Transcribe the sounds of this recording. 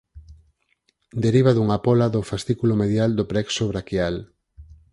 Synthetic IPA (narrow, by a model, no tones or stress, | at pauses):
d̪eɾiβaðuŋapɔlaðofast̪ikulomeðjald̪opɾɛksoβɾakjal